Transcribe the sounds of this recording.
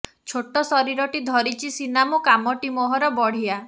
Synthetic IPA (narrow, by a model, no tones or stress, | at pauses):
t͡ʃʰoʈːɔsɔɾiɾɔʈid̪ʱɔɾit͡ʃʰisinamukamɔʈimɔɦɔɾɔbɔɽ̤ia